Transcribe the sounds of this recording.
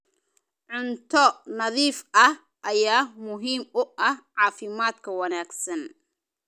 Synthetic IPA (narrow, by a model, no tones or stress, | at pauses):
ʕʊnt̪ʰɔnɐðiːfɐh | ʔɐjaːmʊɦiːmʊʔɐhʕɑːfɪmaːd̪kʰɐwɐnaːɡsɐn